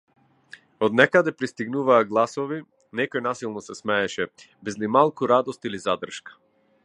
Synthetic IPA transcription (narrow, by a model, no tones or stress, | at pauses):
ɔd̪nɛkad̪ɛpɾist̪iɡnuvaːɡlˠasɔvi | nɛkɔjnasilˠnɔsɛsmɛːʃɛ | bɛzlimalˠkuɾad̪ɔst̪ilizad̪r̩ʃkḁ